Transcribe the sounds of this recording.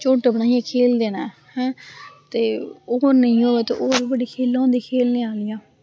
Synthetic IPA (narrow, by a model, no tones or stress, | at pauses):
t͡ʃoːʈabənaːijãːkʰeːld̪eːnaːhɛ̃ːt̪eːoːɾnəĩːɦoːʋeːt̪eːʔoːɾiːbəɖiːkʰeːlːõːnd̪iːkʰeːlnẽːaːlɪjãː